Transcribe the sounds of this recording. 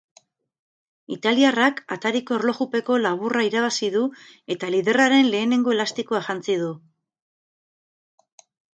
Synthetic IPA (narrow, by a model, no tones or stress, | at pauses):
it̪aliarakat̪aɾiko̞eɾlo̞xupe̞ko̞laβ̞uraiɾaβasiðue̞t̪aliðe̞raɾe̞nle̞ːne̞ŋɡo̞e̞last̪ikoaʝant͡sið̞u